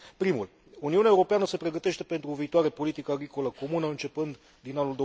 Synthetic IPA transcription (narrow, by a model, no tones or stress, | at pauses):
pɾimul | uniuneaeuɾo̞peanəse̞pɾe̞ɡət̪e̞ʃt̪e̞pe̞nt̪ɾuviːt̪oaɾepo̞lit̪ikəaɡɾiko̞ləko̞munəɨnt͡ʃe̞pɨnd̪ | d̪inanuld̪o